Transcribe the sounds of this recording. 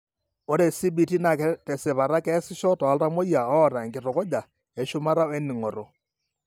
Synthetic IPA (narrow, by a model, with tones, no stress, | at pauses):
o˦ɾe˨si˦bi˨ti˦na˨kɛ˦tɛ˨sɪ˨βa˨ɾa˦kɛː˦sɪ˦ʃɔ˦tɔ˨a˨lta˦mo˦ja˨ɔː˦˨ɾa˨ŋɡkɪ˨tɔ˨kɔ˦d͡ʒa˨ | ɛ˦ʃʊ˦ma˦ɾa˦e˦nɪ˨ŋɔ˨ɾɔ˦